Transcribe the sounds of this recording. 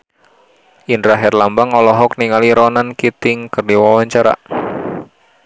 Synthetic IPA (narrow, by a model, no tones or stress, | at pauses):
ʔinɾaɦɛrlambaŋɔlɔɦɔk̚niŋaliɾɔnankit̪ɪŋkərdiwawaɲt͡ʃaɾa̰